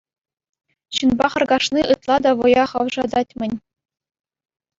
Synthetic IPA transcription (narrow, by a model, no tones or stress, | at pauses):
ɕɯnbɑχɤ̆rɡɑʂniʔɯt̪lˠɑd̪ɑʋɤ̆jɑχɑʋʐɑd̪ɑtʲmʲɘ̆nʲ